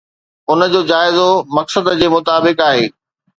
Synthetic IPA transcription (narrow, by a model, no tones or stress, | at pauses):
ʊnəd͡ʑoːd͡ʑaːɪzomɐksəd̪d͡ʑeːmʊt̪aːbɪkaːɦeː